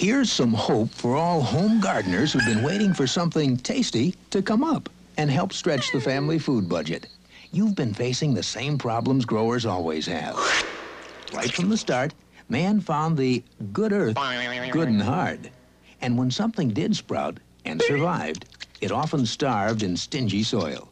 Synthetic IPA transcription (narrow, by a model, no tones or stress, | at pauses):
hiɹz̥sʌ̃mhoʊpfə˞ɔlˠhõʊ̃mɡɑɹdⁿn̩ə˞z̥hʉvbɨ̃nweɪɾɪ̃ŋfə˞sʌ̃mθɪ̃ŋtʰeɪstiɾɨkʰʌ̃mʌp | ɨ̃nɦɛlˠpstɹ̥ɛt͡ʃðɨfæ̃mlifud̚bʌd͡ʒɨ̰t | juvbɨ̃nfeɪsɪ̃ŋðɨsẽɪ̃mpʰɹ̥ɑblə̃mzɡɹoʊə˞zɔlˠwḭz̥hɨ̰v̥ | ɹa̰ɪtfɹʌ̃mðəstɑɹt | mæ̃nfãʊ̃nðɨɡʊɾɜ˞θɡ̥ʊdⁿn̩ɦɑɹd | ɨ̃nwə̃nsʌ̃mθɪ̃ŋdɪdspɹa̰ʊɾ | ɨ̰̃nsə˞vaɪvdɨɾɔfə̃n̩stɑɹvdɨ̃nstɪ̃nd͡ʒisɔ̰ɪlˠ